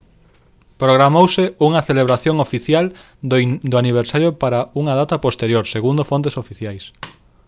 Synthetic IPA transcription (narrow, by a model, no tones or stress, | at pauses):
pɾoɣɾamowsɪuŋɐθeleβɾaθjoŋofiθjal | d̪ʊaniβ̞eɾsaɾjopaɾauŋɐð̞at̪ɐpost̪eɾjoɾseɣund̪ofont̪̬esofiθjajs